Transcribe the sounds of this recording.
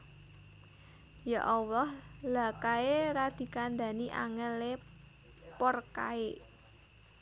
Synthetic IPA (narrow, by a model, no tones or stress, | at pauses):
jaʔɔwɔhlakaeɾad̪̥i̤kand̪a̤niʔa̰ŋəle | pɔrka̰e